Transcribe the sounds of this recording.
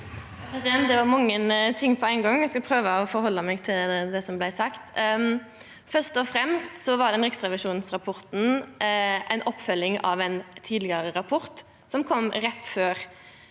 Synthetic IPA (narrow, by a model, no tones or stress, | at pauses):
jpɾɛsɪd̪ɛnt̪̚d̪ɛʋɑɾmɑŋːənt̪ʰɪŋːpʰɔæɪnɡɑŋːjæɪskɑlpʰɾøːʋəɔfɔɾɦɔlːəmɛɡt̪ʰɪld̪ɛsɔmblæɪsɑkt̪ | fœʂt̪ɔfɾɛmst̪sɔʋɑɾd̪ɛnɾɛksʁɑʋɪʂuːnsɾɑpʰɔɾt̪n̩ | ʔæɪnɔpːfœlːɪŋɑ̰ʋæɪnt̪ʰiːd̪lɪɡɑɾəɾɑpʰɔɾt̪ | sɔmkʰɔmːɾɛt̪ːføːɾ